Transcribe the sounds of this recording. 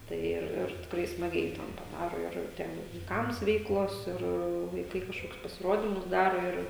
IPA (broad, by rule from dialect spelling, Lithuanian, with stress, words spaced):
tɐɪ ˈɪr ɪr tʲɪkˈrɐɪ smɐˈɡʲɛɪ tʲɛn pɐˈdɑːroː ɪr ˈtʲɛn jɛʊ ʋɐɪˈkɐms ˈʋʲɛɪklˠoːs ˈɪr ʋɐɪˈkɐɪ kɐʃˈkoːkʲʊs pɐsʲɪˈroːdʲɪmʊs ˈdɑːroː ɪr